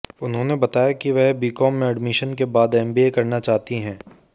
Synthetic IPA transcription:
ʊnɦõnebɐt̪aːjakiʋɛɦbiːkɔːmːẽɐɖmɪʃənkebaːd̪ɛ̃mbiekɐɾnat͡ʃaːɦt̪iɦɛ̃ː

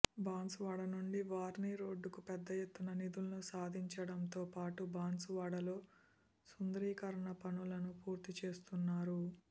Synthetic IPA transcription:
baːnsuʋaːɽɐnuɳɖiʋaːɾniɾo̞ːɖːukupɛd̪ːɐjet̪ːunɐnid̪ulɐnusaːd̪ʱiɲt͡ʃɐɽɐmt̪o̞ːpaːʈubaːnsuʋaːɽɐlo̞ː | sund̪ɾiːkɐɾɐɳɐpɐnulɐnupuːɾt̪it͡ʃe̞ːst̪unːaːɾu

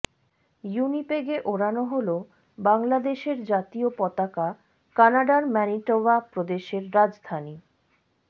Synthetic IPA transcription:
junipeɡeʔoɾanoɦolo | baŋlad̪eʃeɾd͡ʑat̪iopɔt̪aka | kanaɖaɾmɛniʈovapɾod̪eʃeɾːad͡ʑd̪ʱani

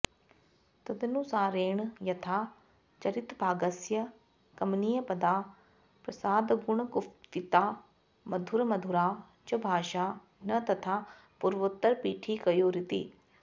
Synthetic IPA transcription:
t̪ɐd̪enũːsaːɾeːɳjɐt̪ʰaː | t͡ʃəɾɪt̪bʱaːɡəsjə | kɐmnijəpəd̪aː | pɾɐsaːd̪ɡʊɳkʊpɪt̪aː | məd̪ʱʊɾməd̪ʱʊɾaː | t͡ʃəbʱaːʃaː | nɐt̪ɐt̪ʰaː | pʊɾʋʊt̪ːəɾpiːʈʰiːkəjoːɾɪt̪ḭː

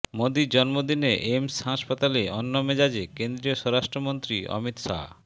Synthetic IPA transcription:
mod̪id͡ʑɔnmod̪ineʔemsɦaʃpat̪aleɔnːomed͡ʑad͡ʑekend̪ɾioʃɔɾaʃʈɾomont̪ɾiɔ̰mit̪ʃa̰

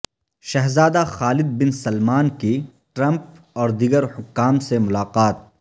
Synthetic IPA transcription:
ʃɐɦzaːd̪axaːlɪd̪̚bɪnsɐlmaːnki | ʈɾɐ̃mp̚ | ɔːɾd̪iːɡəɾhʊkːaːmsemʊlaːqaːt̪̚

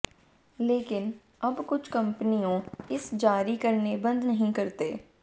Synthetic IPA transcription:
leːkɪn | ɐbkʊt͡ʃʰkɐ̃mpənijõɪsd͡ʒaːɾikɐɾnebɐ̃nd̪nɐɦĩkɐɾt̪eː

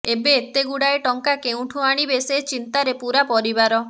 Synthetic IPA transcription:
ebeːt̪eɡuɽaeʈɔŋkakeũʈʰũaɽ̃ibeset͡ʃint̪aɾepuɾapɔɾibaɾɔ

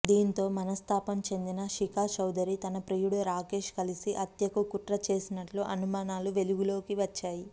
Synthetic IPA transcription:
d̪iːnt̪o̞ːmɐnɐst̪ʰaːpɐmt͡ʃe̞nd̪inɐʃikaːʃɐwd̪ɐɾit̪ɐnɐpɾejuɽuɾaːke̞ːʃkɐlisiʔɐt̪jɐkukut̪ɾɐt͡ʃe̞ːsinɐʈloːʔɐnumaːnaːluʋe̞luɡulo̞ːkiʋɐt͡ʃːaːji

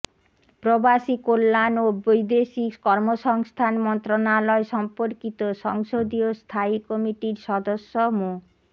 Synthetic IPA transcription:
pɾobaʃikolːanobojd̪eʃikɔɾmoʃɔŋst̪ʰanmɔnt̪ɾonalɔeʃɔmpoɾkit̪oʃɔŋʃod̪iost̪ʰaikɔmiʈiɾʃɔd̪oʃːomo

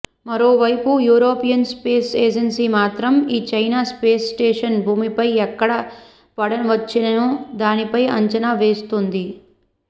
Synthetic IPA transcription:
mɐɾo̞ːʋɐjpujuːɾo̞ːpijɐnspeːseːd͡ʒensiːmaːt̪ɾɐmiːt͡ʃɐjnaːspeːssʈeːʂɐnbʱuːmipɐjɛkːɐɽɐ | pɐɽɐnʋɐt͡ʃːinɐnud̪aːnipɐjɐɲt͡ʃɐnaːʋeːst̪und̪i

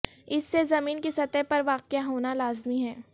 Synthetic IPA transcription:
ɪsːezɐmiːnkisɐt̪ɛɦpɐɾʋaːqjaɦoːnalaːzmiɦɛː

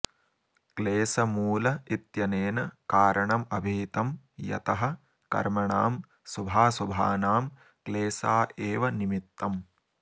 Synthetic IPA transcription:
kleːsɐmuːlɐit̪jɐneːnɐkaːɾɐɳɐmɐbʱiːt̪ɐm | jɐ̰t̪ɐɦɐ | kɐ̰ɾmɐɳaːm | subʱaːsubʱaːnaːm | kleːsaːʔeːʋɐnimit̪ːɐm

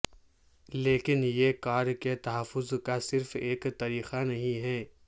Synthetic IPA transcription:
leːkɪnjekaːɾket̪ɐɦəfːʊzkasɪɾfeːkt̪aɾiːxanɐɦĩɦɛː

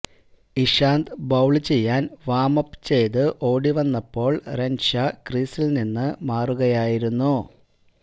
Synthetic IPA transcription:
iʂaːnd̪bɐwɭɨt͡ɕe̞jːaːnʋaːmɐpːt͡ɕe̞jðɨʔo̞ːɽiʋɐnːɐpːo̞ːɭrenʂɐkriːsilninːɨmaːruɣɐjaːjiɾunːu

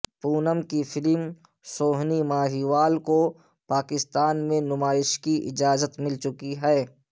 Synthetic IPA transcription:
puːnəmkifɪlm | soːɦnimaːɦiːʋaːlko | paːkɪst̪aːnmẽnʊmaːɪʃkiʔɪ̰d͡ʒaːzət̪mɪlt͡ʃʊkiɦɛː

